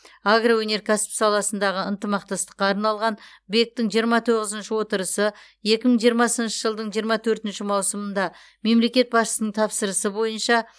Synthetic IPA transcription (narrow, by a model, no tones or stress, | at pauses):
aɡrawɵne̞ɾkʰaspsɑlˠɑsənd̪ɑʁəənt̪əmɑq̚t̪ɑst̪ə̥qːɑːɾnɑlˠʁɑn | be̞k̚t̪ɪŋʒijəɾmɑt̪ʰo̞ʁəzənʃɪwo̞t̪əɾəsə | je̞kʲɪməɴʒijəɾmɑsənʃəʒəlˠd̪əɴʒijəɾmɑt̪ʰɵɾt̪ɪnʃɪmɑwsəmənd̪ɑ | me̞mle̞kʲe̞t̪̚bɑsʃə̥sənəɴt̪ʰɑpsəɾəsəbo̞jənʃɑ